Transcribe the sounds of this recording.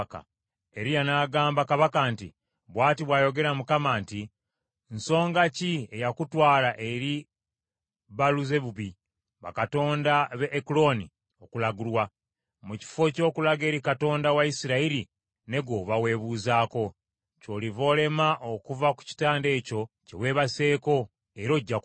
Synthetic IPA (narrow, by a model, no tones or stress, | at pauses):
ka̰ | e̞ɾijanaːɡaːmbakaβakantḭ | βwaːtiβwaːjo̞ɡe̞ɾamukamaːnti | nso̞ːŋɡacie̞jakutwaːlaʔeɾi | βaluze̞βuβi | βa̰katoːndaβeʔːkulo̞ni | o̞kulaɡulwa | muci̥fo̞co̞ːkulaɡe̞ːɾikato̞ːndawaisiɾaiɾi | ne̞ɡo̞βawe̞ːβuːzaːko̞ | co̞livo̞ːle̞maʔo̞kuvaku̥ci̥taːnde̞ːco̞ce̞̰we̞ːβase̞ːko̞ | eɾo̞ɟːak